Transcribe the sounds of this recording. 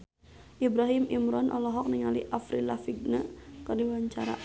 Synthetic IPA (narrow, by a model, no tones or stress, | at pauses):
ʔibɾaɦimʔimɾɔnʔɔlɔɦɔk̚niŋalḭʔafɾilafiɡ̚nəkədiwaɲt͡ʃa̰ɾa̰